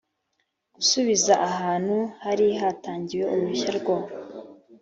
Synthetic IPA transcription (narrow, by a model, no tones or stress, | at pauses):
ɡ̥usuβizaʔaɦaːn̥huhaɾiɦataːɲɟiwe̞ʔuβuçaɾɡwa